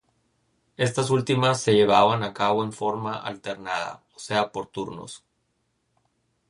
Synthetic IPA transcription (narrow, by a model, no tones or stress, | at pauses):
e̞s̬t̪asult̪imasːe̞ʝe̞β̞aβanakaβoe̞ɱfo̞ɾmaʔa̰lt̪e̞ɾnaða̰ose̞apo̞ɾt̪uɾno̰s